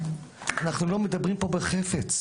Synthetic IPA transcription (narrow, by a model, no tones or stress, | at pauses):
anaχnulo̞med̪abʁimpo̞beχefet͡s